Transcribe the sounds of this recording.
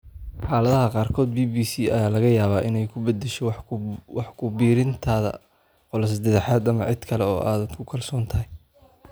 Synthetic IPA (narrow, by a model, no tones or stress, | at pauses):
ħɑːlɐðɐɦɐqɑːrkʰɔːd̪biːbiːsiːɐjaːlɐɣɐjaːβaːʔɪnɛjkʰʊbɐd̪ːɛʃɛwɑħkʰʊbiːɾɪnt̪ʰaːðɐ̰ | qɔlɐsd̪ɐðɐħaːd̪ɐmɐʕɪd̪kʰɐlɛɔ̰ːʔaːd̪kʰʊkʰɐlsɔːnt̪ʰɐɦɪj